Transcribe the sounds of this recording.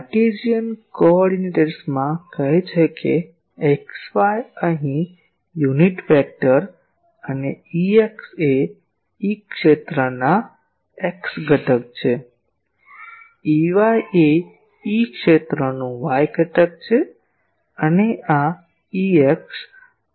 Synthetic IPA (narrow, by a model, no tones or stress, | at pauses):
əʈed͡ʒijənkoɔɾɖineʈəɾsmãkəɦet͡ʃʰekḛ | eksʋajəɦĩ | juniʈfɛk̚ʈəɾ | əneiekse | ikʃet̪ɾəna | eksɡʱəʈək̚t͡ʃʰe | iʋaje | ikʃet̪ɾənũʋajɡʱəʈək̚t͡ʃʰe | ənea | ieks